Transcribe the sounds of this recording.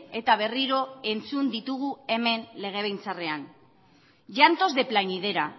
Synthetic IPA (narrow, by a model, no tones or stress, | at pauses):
e̞t̪aβ̞e̞riɾo̞e̞nt͡sund̪it̪uɣ̞ue̞me̞nle̞ɣ̞e̞β̞ejnt͡sare̞an | ʝant̪o̞zðe̞plaɲið̞e̞ɾa